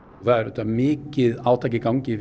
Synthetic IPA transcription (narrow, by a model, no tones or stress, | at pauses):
θaðɛɾɛt̪ːamɪːcɪðaːwt̪ʰaːjcɪkawɲcɪ